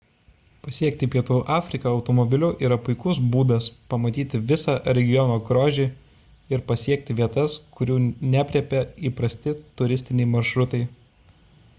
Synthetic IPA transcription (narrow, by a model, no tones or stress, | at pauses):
pɐsʲiɛkt̪ʲɪpʲiɛt̪uʔɑːfʲɾʲɪkɐɒʊt̪ɔmɔbʲɪlʲʊʔiːɾɐpʊɪkʊsbuːd̪ɐspɐmɐt̪ʲiːt̪ʲɪʋʲɪsɑːɾʲɛɡʲɪjɔnoːɡɾoːʒʲiː | ɪɾpɐsʲiɛk̚t̪ʲɪʋʲiɛt̪ɐskʊɾʲuːnʲæpʲɾʲɛpʲɛiːpɾɐsʲt̪ʲɪt̪ʊɾʲɪsʲt̪ʲɪnʲɛɪmɐɾʃɾʊt̪ɐɪ